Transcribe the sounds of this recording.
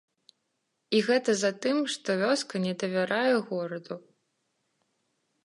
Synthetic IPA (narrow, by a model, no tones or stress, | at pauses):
iɣɛt̪ɐzat̪ɨmʂt̪ɔvʲɔskɐnʲɛd̪ɐvʲaɾajɛɣɔɾɐd̪u